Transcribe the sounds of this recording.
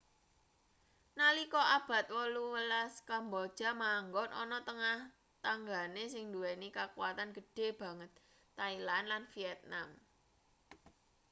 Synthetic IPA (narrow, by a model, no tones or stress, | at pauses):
nalikɔʔab̥ä̤t̪̚wɔluwəlaskambɔd̥ʒ̥a̤maŋɡɔnʔɔ̰nɔt̪əŋah | t̪aŋɡanesɪŋnd̪uɛnikakuwat̪anɡə̤ɖ̥e̤b̥ä̤ŋət̪̚ː | ailanlanfiɛt̪̚nam